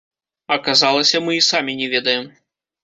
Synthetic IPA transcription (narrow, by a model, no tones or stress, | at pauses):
ɐkazalˠɐsʲɐmɨisamʲinʲɛvʲɛd̪ɐjɛm